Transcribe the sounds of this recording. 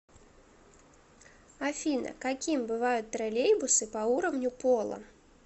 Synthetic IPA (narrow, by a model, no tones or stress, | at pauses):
afʲinɐ̰kakʲimbɨvajut̪̚ʲt̪ɾalʲejbusɨpɐuɾɐwnʲupɔlˠɐ̰